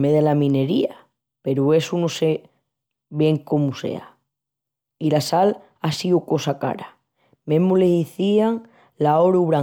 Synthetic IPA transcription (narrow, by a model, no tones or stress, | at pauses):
meðelamĩne̞ɾia | pe̞ɾue̞suno̞se̞ | βje̞ŋko̞muse̞̰a̰ | ilasal | asiuko̞saka̰ɾa | mẽɦmuleiθiaŋ | lao̞ɾuβɾa